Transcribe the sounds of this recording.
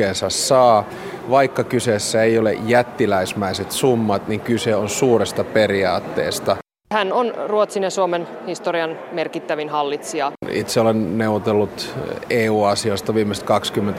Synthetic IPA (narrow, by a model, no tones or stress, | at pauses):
eːnsɑsːɑː | ʋɑikːɑkysesːæeiolḛjæt̪ːilæismæiset̪sumːɑt̪niŋkyseonsuːrest̪ɑperiɑːt̪ːḛːst̪ɑ | hænonruot̪sinjɑsuomen | hist̪oriɑnmerkit̪ːæʋinhɑlːit̪siɑḭt̪seolenneuwʋot̪elːut̪eːuːɑsiost̪ɑʋiːmest̪kɑkskymːent̪